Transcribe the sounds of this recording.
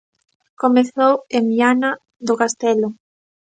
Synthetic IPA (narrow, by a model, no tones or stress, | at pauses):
komeθowemiana | d̪ʊkast̪ɛlʊ